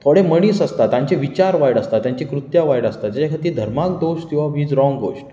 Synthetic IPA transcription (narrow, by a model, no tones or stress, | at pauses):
t̪ʰoɽeməɽ̃iːsəst̪at̪jãɲt͡ɕeʋit͡ɕaɾʋajɽəst̪at̪ːjãɲt͡ɕikɾut̪jaʋajɽəst̪at̪jat͡ɕakʰat̪iːd̪ʱəɾmak̚d̪oʂk̪ĩw̃ʋaʋiːd͡zɾɔ̃ŋɡɡo̰ʂʈ